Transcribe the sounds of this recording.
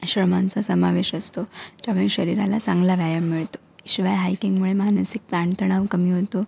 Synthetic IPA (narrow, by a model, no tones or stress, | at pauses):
ɕɾəmant͡sasəmaʋeɕəst̪od͡ʑameɭɕəɾiɾa̰lat͡saŋɡlaʋjajəmːiɭt̪o̥iɕʋajɦajkiŋɡmuɭemansik̚t̪aɳt̪əɽ̃aʋkəmiːɦot̪o